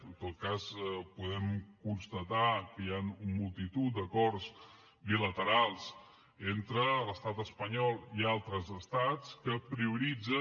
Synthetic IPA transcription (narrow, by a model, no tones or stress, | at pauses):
ənt̪ot̪̚kaspuðɛmkunst̪ət̪akəjanumulˠt̪it̪ut̪̚d̪əkɔrs | bilət̪əɾalˠs | ent̪ɾələst̪at̪əspəɲɔlˠialˠt̪ɾəzəst̪at͡skəpɾiuɾid͡zə